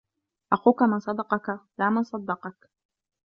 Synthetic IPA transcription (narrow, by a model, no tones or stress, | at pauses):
ʔaxuːkamansˤɑd̪ɑqɑkalaːmansˤɑd̪ːɑqɑk